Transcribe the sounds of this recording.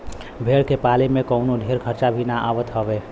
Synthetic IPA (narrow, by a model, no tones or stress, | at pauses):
bʱeɽkepalemekəʊnod̪ʱeɾkʰəɾt͡ʃabʱinaʔabət̪ɦəbe